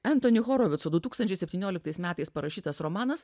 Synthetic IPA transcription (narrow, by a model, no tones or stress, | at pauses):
ɛnt̪oːnʲɪxoːɾoʋʲɪt̪sod̪ʊt̪uːkst̪ɐnʲt͡ʃʲɛɪsʲɛpʲt̪ʲiːnʲoːlʲɪkt̪ɐɪsmʲæːt̪ɐɪspɐɾɐʃʲiːt̪ɐsɾɔmɑːnɐs